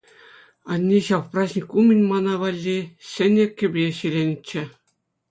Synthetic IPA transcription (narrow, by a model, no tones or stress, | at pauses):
ɑnʲːeɕɑʋprɑʑʲnʲikumʲɘ̆nʲmɑnɑʋɑlʲːiɕʲɘ̆nʲĕkʲːɘ̆bʲeɕilʲenʲɘ̆t͡ɕːɘ̆